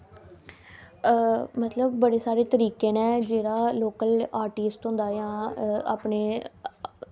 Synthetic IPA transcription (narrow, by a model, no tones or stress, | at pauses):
mət̪ləbːəɽeːsaːɾeːt̪əɾiːkeːnɛ̃ːd͡ʒeːɽaːloːkəlaːɾʈiːsʈɦõnd̪aːjãːa̰ːpɳeː